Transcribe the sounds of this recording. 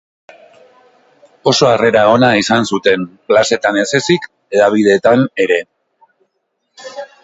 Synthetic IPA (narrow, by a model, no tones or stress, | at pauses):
o̞so̞are̞ɾao̞naisansut̪e̞mklase̞t̪anese̞sik | e̞ðaβ̞ið̞e̞t̪ane̞ɾe̞